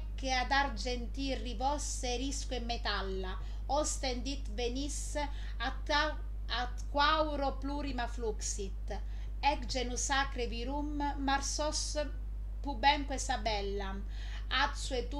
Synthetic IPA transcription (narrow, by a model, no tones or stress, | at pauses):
kːead̪aɾd͡ʒent̪irivɔs | eɾiskuɛmːet̪alːa | ɔst̪end̪it̪venis | at̪kːwawɾopluːɾimafluksit̪ː | ɛkd͡ʒenusaːkɾeviɾumːaɾsɔs | pubɛŋkwɛsabɛlːa | at̪suɛt̪u